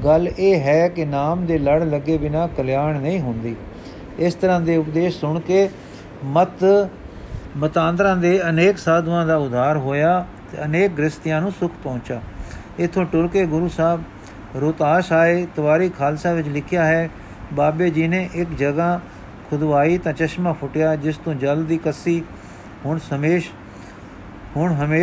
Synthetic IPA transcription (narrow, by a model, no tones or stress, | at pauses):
ɡəlːeːɦɛːkɪnaːmd̪eːləɽləɡeːbɪnãːkəljaːɳnəĩːɦʊ̃nd̪iː | ɪst̪əɾãːd̪eːʊpd̪eːʃsʊɳkeː | mət̪ | mət̪ãːnd̪ɾãːd̪eːəneːksaːd̪ʋãːd̪aːʊd̪ʱːaːɾɦoːjaː | t̪ḛːəneːk̚ɡɾɪst̪ɪjãːnũːsʊkʰpɔ̃ːnt͡ʃaː | ɪt̪ʰːõːʈʊɾkeːɡʊɾuːsaːb | ɾoːt̪aːʃaːeːt̪əʋaːɾiːkʰaːlsaːʋɪt͡ʃlɪkʰɪjaːɦɛː | baːbeːd͡ʒiːnẽːʔɪkd͡ʒəɡãː | kʰʊd̪ʋaːiːt̪ãːt͡ʃəʃmãːpʰʊʈjaːd͡ʒɪst̪õːd͡ʒəld̪iːkəsiː | hʊɳsəmeːʃ | hʊɳɦəmeː